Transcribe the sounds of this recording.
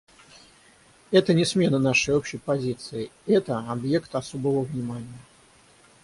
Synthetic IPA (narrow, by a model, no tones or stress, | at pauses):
ɛt̪ənʲɪsmʲe̞nənaʂəjopɕɪjpɐzʲit̪sɨɪɛt̪əɐbje̞kt̪ɐsobəvəvnʲɪmanʲɪjə